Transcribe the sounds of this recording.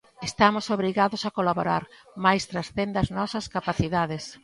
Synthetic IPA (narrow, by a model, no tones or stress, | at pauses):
est̪amʊsoβɾiɣaðʊsakolaβoɾa̰ɾ | majst̪ɾasθend̪aznɔsɐskapaθiðaðes